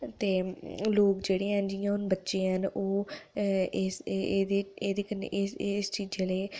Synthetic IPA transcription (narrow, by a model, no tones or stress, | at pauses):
t̪eːloːkd͡ʒeːɽeːɦənd͡ʒijãːʊnbətːʃeːɦənoː | esːd̪eːeːd̪eːkənːḛʔesst͡ʃiːd͡ʒeleː